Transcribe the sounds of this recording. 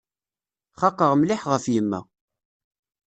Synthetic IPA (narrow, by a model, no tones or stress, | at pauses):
χɑqːəʁmlɪħʁəfjəmːæ̰